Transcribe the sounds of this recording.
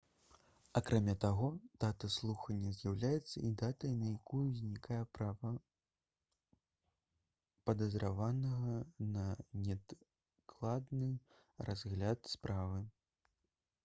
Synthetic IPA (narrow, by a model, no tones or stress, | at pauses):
akɾʔamʲat̪aɣɔd̪̥at̪ɐslˠuxɐnʲːɐzʲjawlʲajɛt̪sːɐid̪at̪ɐnɐjakujuzʲnʲikʰajɛpɾavɐ | pɐd̪ɐzɾavanɐɣɐnɐnʲɛ | klˠad̪nɨ | razɣlʲat̪spɾʔavɨ